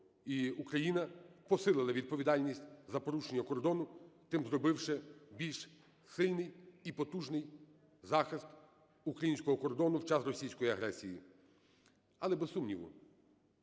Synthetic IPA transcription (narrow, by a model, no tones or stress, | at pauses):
iukɾɐjinɐpɔsɪlˠɪlˠɐʋʲid̪̚pɔʋʲid̪ɑlʲnʲisʲtʲzɐpɔɾuʃenʲːɐkɔrd̪ɔnʊt̪ɪmzɾɔbɪwʃɛbʲilʲʃ | sɪlʲnɪjipɔt̪uʒnɪj | zɑxɪst̪ | ukɾɐjinʲsʲkɔɦɔkɔrd̪ɔnʊwt͡ʃɑsrɔsʲijsʲkɔjiɐɦɾɛsʲijḭ | ɐlˠɛbessumnʲiʋʊ̰